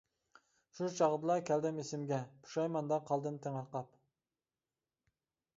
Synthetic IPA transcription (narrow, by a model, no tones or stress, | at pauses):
ʃut͡ʃʰɑʁd̪ɨlˠɑkʲʰɛld̪ɪmesɪmɡʲɛpʰu̥ʃɑjmɑnd̪ɑqʰɑlˠd̪ɨnt̪ʰɪŋɑɾqɑp